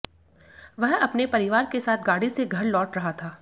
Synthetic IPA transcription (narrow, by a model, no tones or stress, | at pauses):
ʋɐɦɐpnepɐɾɪʋaːɾkesaːt̪ʰɡaːɽiseɡʱɐɾlɔːʈɾɐɦat̪ʰaː